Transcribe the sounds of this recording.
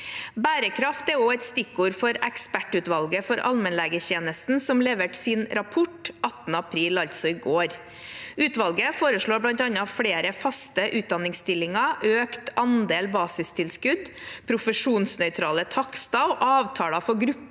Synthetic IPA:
bæːɾəkʰɾɑft̪æoːɛt̪st̪ɪkːuːɾfɔɾɛkspæʈːʉːt̪ʋɑlɡəfɔɾɑ̰lmɛnlæːɡəçeːnəst̪n̩sɔmleːʋəʈsɪnɾɑpʰʊʈɑt̪n̩əɑpʰɾiːlɑʎt̪sɔɪɡoːɾ | ʉːt̪ʋɑlɡəfoːɾəʂɭoːblɑnt̪ɑnɑfɽeːɾəfɑst̪əʔʉːt̪̚d̪ɑnɪŋst̪ɪlːɪŋɑʔøːkt̪ɑnd̪eːlbɑːsɪst̪ʰɪlskʉd̪pʰɾʊfəʂuːnsnœʏt̪ʰɾɑːlət̪ʰɑkst̪ɑʊʔɑːʋt̪ʰɑːlɑfɔɡɾʉpː

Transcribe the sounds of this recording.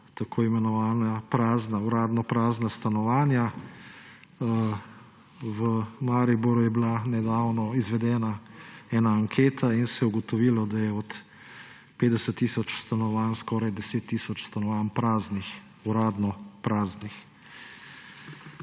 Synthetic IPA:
t̪akʰoːimɛnɔʋaːnapɾaːznauɾaːd̪nɔpɾaːznast̪anɔʋaːnja | ʋəmaɾibuɾujɛbilanɛd̪awnɔizʋɛd̪ɛːnaɛːnaːŋkʰeːt̪ʰainsɛjɛuɡɔt̪ɔʋiːlɔd̪ajɛɔt̪ | peːd̪ɛsət̪ːiːsɔt͡ʃst̪anɔʋanskɔːɾajd̪ɛseːt̪ːisɔt͡ʃst̪anɔʋaːnpɾaːznix | uɾaːd̪nɔpɾaːznix

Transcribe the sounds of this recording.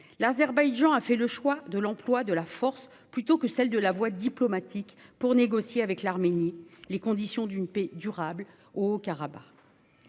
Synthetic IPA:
lazɛʁbajʒɑ̃afɛləʃwad̪əlɑ̃plwad̪əlafɔʁs | plyt̪okəsɛld̪əlavwad̪iplɔmat̪ʰikpuʁneɡɔsjeavɛklaʁmenilekɔ̃d̪isjɔ̃d̪ynpɛd̪yʁabl | oːkaʁaba̰

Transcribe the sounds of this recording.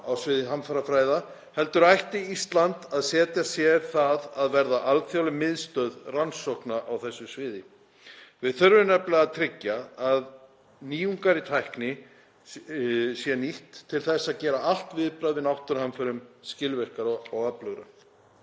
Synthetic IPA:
awsvɪːðɪɦamfaɾafɾaːjða | hɛlt̪ʏɾajht̪ɪist̪lant̪aðsɛːt̪jasjɛɾ̥θaðaðvɛɾðaʔalt̪fjawlɪmɪðst̪œðransɔwhknaʔawθɛsːʏsvɪːðɪ | vɪðθœɾvʏnɛplaɣaðt̪ʰɾɪcːaað | niːuŋkaɾɪt̪ʰajhknɪ | sjɛniht̪ʰːɪlθɛsːaðcɛːɾaal̥t̪vɪðpɾaðvɪnawht̪ʏɾ̥hamfœɾʏmscɪlvɛr̥kaɾaɣaplœɣɾa̰

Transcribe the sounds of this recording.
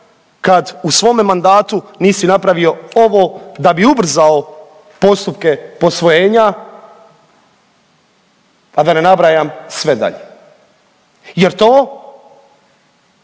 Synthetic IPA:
kad̪usʋo̞ːmemand̪aːt̪uniːsinapɾaʋio̞oʋoːd̪abiubr̩zao | po̞st̪upkepo̞sʋo̞jeːɲa | ad̪ane̞nabɾajamsʋe̞d̪a̰ʎe | jeɾt̪oː

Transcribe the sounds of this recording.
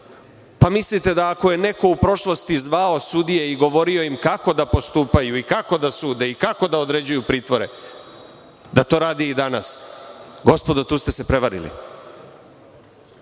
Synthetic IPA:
pamislit̪e̞d̪aːko̞je̞ne̞ko̞upɾo̞ʃlost̪izʋao̞sud̪ije̞iɡo̞ʋo̞ɾio̞jimkako̞d̪apo̞st̪uːpajuikako̞d̪asuːd̪e̞ikako̞d̪aod̪ɾed͡ʑujupɾiːt̪ʋoɾe̞̰ | d̪at̪o̞ːɾaːd̪iːd̪ana̰sɡo̞spo̞d̪ot̪uːst̪e̞se̞pɾe̞ʋaɾḭlḭ

